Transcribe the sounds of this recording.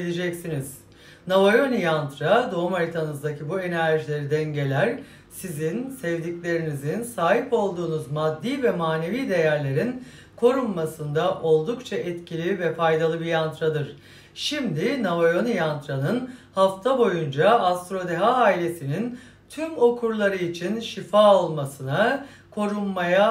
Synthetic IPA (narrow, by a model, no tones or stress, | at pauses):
elʲed͡ʒɛcsiniz̥ | navajo̞nijant̪ɾad̪o̞umaɾit̪ʰanɯzd̪acʰibue̞næɾʒilʲe̞ɾid̪ɛnɟe̞lʲæɾ | sizinsɛvd̪iclʲe̞ɾinizinsaːɦipo̞lˠd̪uːnuzmad̪ːiːvɛmaːne̞viːd̪e̞jæɾlʲe̞ɾin | kʰo̞ɾumːasɯnd̪aʔo̞lˠd̪ukt͡ʃʰaʔɛt̪cʰilʲivɛfajd̪alˠɯbijant̪ɾad̪ɯɾ̥ | ʃimd̪inavajo̞nijant̪ɾanɯnhaft̪ʰabo̞jund͡ʒaast̪ɾo̞d̪e̞ɦaaːilʲe̞sinin | t̪ʰymo̞kʰuɾlˠaɾɯit͡ʃʰinʃifaːo̞lˠmasɯna | kʰo̞ɾunmaja